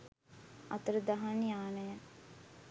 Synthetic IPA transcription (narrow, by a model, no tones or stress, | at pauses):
ɐ̰t̪əɾəd̪aɦaniaːnəja